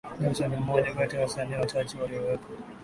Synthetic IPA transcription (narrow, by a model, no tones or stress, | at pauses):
musanamɔʄakatijawasaniːwat͡ʃat͡ʃiwaliɔwɛkwa